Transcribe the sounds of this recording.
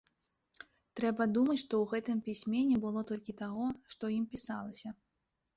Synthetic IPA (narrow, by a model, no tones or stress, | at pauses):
t̪ɾɛbɐd̪umɐt͡sʲʂt̪ɔwɣɛt̪ɨmpʲisʲmʲenʲɛbɨlˠɔt̪ɔlʲkʲit̪aɣɔʂt̪ɔjimpʲisalˠɐsʲɐ